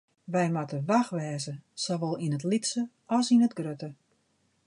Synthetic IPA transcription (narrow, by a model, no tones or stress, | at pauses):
ʋɛjmatəʋaxʋɛːzəsoʋɔlˠinətlitsə | ɔsinətɡrøtə